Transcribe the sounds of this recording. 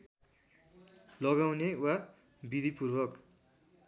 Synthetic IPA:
lʌɣawnewa | bid̪ʱipurbʌk

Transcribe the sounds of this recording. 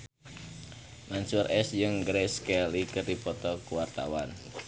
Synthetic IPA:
mansʊrʔɛsd͡ʒɨŋɡɾɛskɛlikərdipɔt̪ɔkuwart̪a̰wan

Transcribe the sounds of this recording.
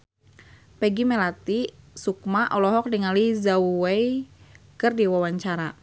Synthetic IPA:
pɛɡimɛlat̪isuk̚maʔɔlɔɦɔk̚diŋalizauwei | kɨrdiwawaɲt͡ʃaɾa

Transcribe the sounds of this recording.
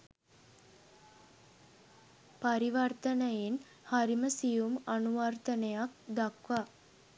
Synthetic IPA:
paɾiʋɐrt̪ənəjen | haɾiməsijumanuʋart̪ənejak̚d̪akʋa

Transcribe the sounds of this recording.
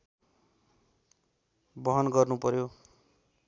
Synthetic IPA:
bʌɦʌnɡʌrnupʌɾjo

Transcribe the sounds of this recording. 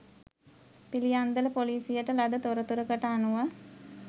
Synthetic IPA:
pilijand̪ələpoliːsijəʈəlad̪ət̪oɾət̪uɾəkəʈəanuʋa

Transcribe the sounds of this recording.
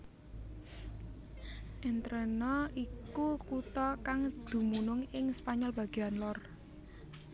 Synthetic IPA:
ʔɛnt̪ɾɛnɔʔikukut̪ɔkaŋd̪̥ṳmunʊŋɪŋspaɲɔlb̥ä̤ɡ̥eanlɔr

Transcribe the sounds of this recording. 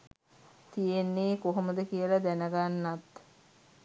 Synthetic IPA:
t̪ijenːeːkoɦoməd̪əkijəlad̪ænəɡanːat̪

